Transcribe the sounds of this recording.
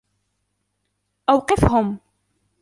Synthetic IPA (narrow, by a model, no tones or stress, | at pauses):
ʔawqɨfɦʊm